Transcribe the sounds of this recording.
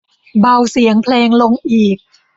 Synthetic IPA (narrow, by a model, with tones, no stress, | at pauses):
ba˧wsi˨˩˦əŋpʰleː˧ŋlo˧ŋʔiː˨˩k̚